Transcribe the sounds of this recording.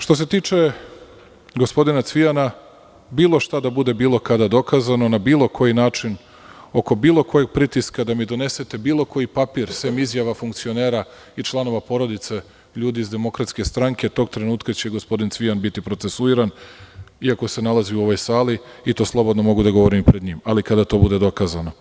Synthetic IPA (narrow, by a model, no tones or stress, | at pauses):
ʃt̪o̞s̬e̞t̪iːt͡ʃe̞ | ɡo̞spo̞d̪inat̪sʋijana | biːlˠo̞ʃt̪ad̪abud̪e̞biːlˠo̞kad̪ad̪o̞kazano̞nabiːlˠo̞kʰo̞jinaːt͡ʃin | o̞ko̞biːlˠo̞ko̞jeɡ̚pɾit̪iskad̪amid̪o̞ne̞se̞t̪e̞biːlˠo̞ko̞jipapiɾseːmizjaʋafuŋkt̪sio̞ne̞ːɾa | it͡ʃlˠano̞ʋapo̞ɾo̞d̪it̪se | ʎuːd̪iizd̪e̞mo̞kɾat̪ske̞st̪ɾaŋke̞t̪o̞ɡ̚t̪ɾenuːt̪kat͡ɕe̞ɡo̞spo̞d̪int̪sʋijanbit̪ipɾo̞t̪se̞suiɾan | iako̞se̞nalˠaziuo̞ʋo̞jsaːliit̪o̞ːslˠo̞bo̞d̪no̞mo̞ɡud̪aɡoʋo̞ɾimipɾed̪ɲiːmalikad̪at̪o̞bud̪e̞d̪o̞kaːzano̞